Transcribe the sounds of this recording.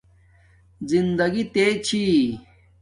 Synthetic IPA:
zind̪ɐɡit̪et͡ɕʰi

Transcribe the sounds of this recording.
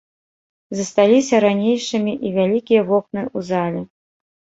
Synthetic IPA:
zɐst̪alʲisʲɐɾanʲejʂɨmʲiʔivʲalʲikʲijɐvɔknɨuzalʲɛ

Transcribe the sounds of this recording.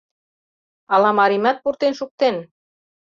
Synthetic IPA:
ɑlɑmɑɾimæt̪̚purt̪enʃuk̚t̪en

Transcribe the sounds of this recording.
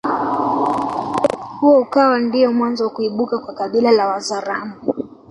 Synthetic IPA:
huɔukawandiɔmwanzɔwakuiɓukakwakaɓilalawazaɾamu

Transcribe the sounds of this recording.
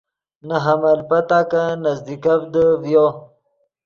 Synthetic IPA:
naɦamalpɐt̪akanazd̪ikavd̪əvjo

